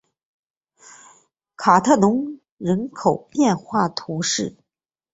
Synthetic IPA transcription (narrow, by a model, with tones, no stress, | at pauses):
kʰa˨˩t̪ʰɤ˥˩nʊ˧˥ŋ | ɻə˧˥nkʰo˨˩ʊpjɛ˥˧nxwa˥˩t̪ʰu˧˥ʂɻ̩˥˩